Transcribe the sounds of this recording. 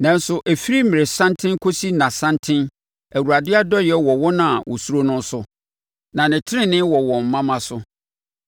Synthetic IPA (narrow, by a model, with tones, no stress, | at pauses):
nã˨n˦sʊ˨ʔæ˨fi˦ɾi˦mɪ̃˨ɾɪ˨sã˦ntʰɪ̃˦n˦kʰo˦si˦nã˨sã˦ntʰɪ̃˦n | æ˨wu˨a˨dɪ˦a˦dɔ˦jɛ˦wɔ˨wɔ˦nã˨wʔɔ˨su˦ɾo˦nʊ̃˦n˦sʊ˦ | nã˨nɪ̃˨tʰɪ˦ɾɪ̃˦nɪ̃˦wɔ˨wɔ̃˨m̩˨mã˦mã˦sʊ˦